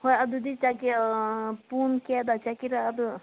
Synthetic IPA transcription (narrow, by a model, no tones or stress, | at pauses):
hojɐd̪ud̪it͡ʃaki | puːnked̪at͡ʃakiɾaɐd̪u